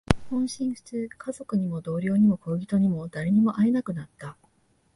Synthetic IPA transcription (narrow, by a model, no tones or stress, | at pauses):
hõ̞ɰ̃ɕĩɰ̃ɸɯ̥t͡sɨkʰazo̞kɯ̟ɲ̟imo̞d̪o̞ːɾʲjo̞ːɲ̟imo̞ko̞ːɡʲit̪o̞ɲ̟imo̞d̪aɾe̞ɲ̟imo̞ʔainakɯ̟nat̪ːa